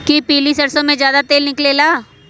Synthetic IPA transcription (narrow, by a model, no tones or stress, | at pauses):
kipiːlisɐɾsõmẽd͡ʒjaːd̪at̪eːlnɪkleːlaː